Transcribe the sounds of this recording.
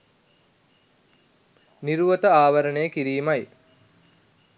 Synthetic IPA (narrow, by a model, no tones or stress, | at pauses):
niɾuʋət̪əaːʋɐɾənejəkiɾiːmaj